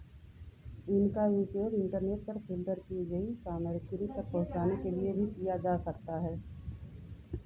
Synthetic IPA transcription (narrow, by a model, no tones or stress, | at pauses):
ɪnkajuːpjoːɡɪ̃ɳʈəɾneːʈ̚pɐɾpʰɪlt̪əɾkiɡɐisaːməɾk̪ɾitɐɾpɐɦʊ̃t͡ʃaːnekeliebʱikijad͡ʒaːsɐkt̪aɦɛː